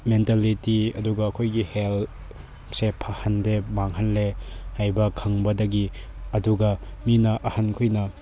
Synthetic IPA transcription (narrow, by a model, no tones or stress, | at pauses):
mentalitiɐ̰duɡɐːkʰojɡihel | sepʰɐhɐndemaŋhɐnlehajbɐkʰɐŋbɐdɐɡiɐduɡɐminɐʔɐhɐnkʰujnɐ